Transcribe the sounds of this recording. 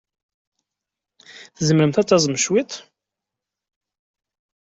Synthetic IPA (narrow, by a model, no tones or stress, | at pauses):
θzəməɾəmθæt͡sːɑzˤmʃwit̪ˤ